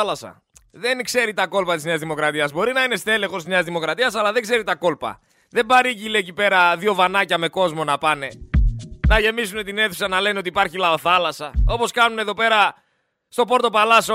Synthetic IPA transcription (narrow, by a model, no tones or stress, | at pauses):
lɐsɐ̰ | ðe̞nkse̞ɾit̪ɐko̞lpɐt̪izneɐzðimo̞kɾɐt̪iɐzbo̞ɾinɐine̞st̪e̞lexost̪izneɐzðimo̞kɾɐt̪iɐsɐlɐðeŋɡse̞ɾit̪ɐko̞lpɐ̰ | ðe̞mbɐɾicilecipe̞ɾɐðio̞vanɐcɐme̞ko̞zmo̞nɐpɐne̞ | nɐʝe̞misune̞t̪ine̞θu̥sɐnɐle̞neo̞t̪ipɐɾçilɐoθɐlɐsɐo̞po̞skɐnuneðo̞pe̞ɾɐ | st̪o̞po̞ɾt̪o̞pɐlɐso